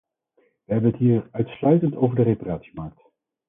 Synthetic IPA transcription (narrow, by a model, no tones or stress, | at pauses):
ʋəɦɛbənɦətɦiːɹœɥtslœɥtəntowvəɹdəreparaːtsi̥mɑɹk̚t